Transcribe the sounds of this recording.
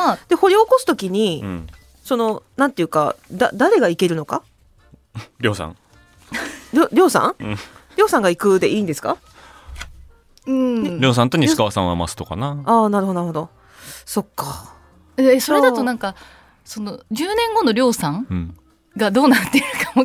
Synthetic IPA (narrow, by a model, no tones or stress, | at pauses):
ad̪̥e̞hoɾeoko̞sɨ̥t̪o̞kʲiɲ̟ḭ̃ | so̞no̞nãnt̪e̞jɯ̟ːka̰d̪a̰d̪aɾe̞ɡaike̞ɾɯ̟no̞ka̰ | ɾʲo̞ːsã̰ŋ | ɾʲoɾʲo̞ːsã̰ŋ̃ɾʲo̞ːsãŋɡaikɯ̟d̪e̞ʔiːnd̪e̞sɨ̥ka̰ | ɯ̟̃ɴneɾʲo̞ːs̬ãnt̪o̞ɲ̟iɨ̥kaβasã̰a̰ma̰sɨ̥t̪o̞ka̰naaːnaɾɯhɦ̪onaɾɯhod̪o̞ | so̞kːa | eeso̞ɾed̪at̪o̞nãŋka | so̞no̞d͡ʑɨːnẽ̞ŋɡo̞no̞ɾʲo̞ːsãŋɯ̃ | ɡad̪o̞ːnaɾɯt̪ːeɾɯkamo